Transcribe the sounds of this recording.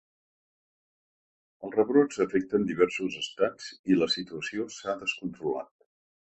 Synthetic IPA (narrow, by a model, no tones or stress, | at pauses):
əlˠrəβɾod͡zəfɛk̚t̪ənd̪iβɛrsuzəst̪ad͡ziləsit̪uəsiosaðəskunt̪ɾula̰t̪̚